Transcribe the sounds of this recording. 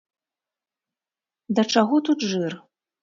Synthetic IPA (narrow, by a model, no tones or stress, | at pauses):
d̪ɐt͡ʂaɣɔt̪ut̪ʐɨr